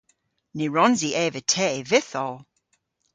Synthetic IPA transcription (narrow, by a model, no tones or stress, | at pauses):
nɪɹɔnziʔɛːvətʰɛːvɪθɔlˠ